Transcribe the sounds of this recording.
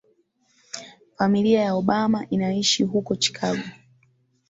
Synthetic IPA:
familiajaɔɓamaʔinaiʃiɦukɔt͡ʃi̥kʰaɡɔ

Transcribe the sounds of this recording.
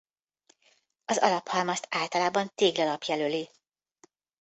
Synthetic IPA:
ɒzɒ̰lɒphɒlmɒst̪aːlt̪ɒlaːbɒnt̪eːɡlɒlɒpjɛløli

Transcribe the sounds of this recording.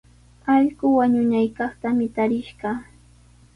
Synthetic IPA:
ɑʎɢʊwaɲʊnajkɑχt̪amɪt̪aɾɪʃɢɑ

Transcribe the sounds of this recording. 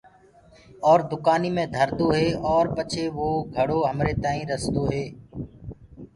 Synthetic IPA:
ɔːɾd̪ʊkaːniːmẽːd̪ʱəɾd̪oːɦeːɔːɾpət͡ʃʰeːʋoːɡʱəɽoːɦəmɾeːt̪ãːĩːɾəsd̪oːɦeː

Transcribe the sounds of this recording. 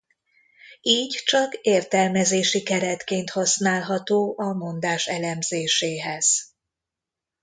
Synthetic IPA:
iːɟt͡ʃɒkeːrt̪ɛlmɛzeːʃikɛɾɛt̪keːnt̪hɒsnaːlɦɒt̪oːʔɒmo̞nd̪aːʃɛlɛmzeːʃeːɦɛz̥

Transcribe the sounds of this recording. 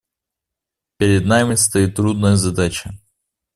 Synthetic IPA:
pʲɪɾʲɪd̪namʲɪst̪ɐjit̪ːɾud̪nəjəzɐd̪at͡ɕə

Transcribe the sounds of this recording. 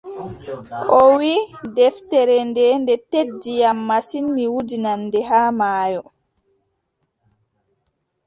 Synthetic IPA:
ʔɔwidɛftɛɾɛndɛndɛtedːijamːasinmiwudinanːdɛɦaːmaːjɔ

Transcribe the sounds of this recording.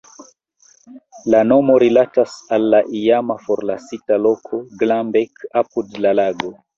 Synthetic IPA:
lano̞mo̞ɾilatasalːaʔijamafoɾlasitalo̞kʰoɡlambekapudlalaɡo

